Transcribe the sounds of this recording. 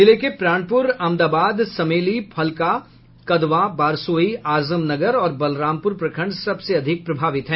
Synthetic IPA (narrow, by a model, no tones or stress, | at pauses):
ɪlekepɾaːñpʊɾɐmd̪aːbaːd̪sɐmeːlipʰɐlka | kɐd̪ʋabaːɾsoːiaːzəmnɐɡəɾɔːɾbɐlɾãːmpʊɾpɾɐkʰə̃ɳɖsɐbseɐd̪ʱɪk̚pɾɐbʱaːʋɪt̪ɦɛ̃ː